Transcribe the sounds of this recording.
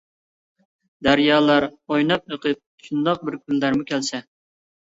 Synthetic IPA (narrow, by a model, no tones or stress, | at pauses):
d̪æɾjɑːlˠɑɾojnɑp̚əqʰɨp̚ʃund̪ɑq̚bɪɾkʲʰylːæɾmukʲʰɛlsɛ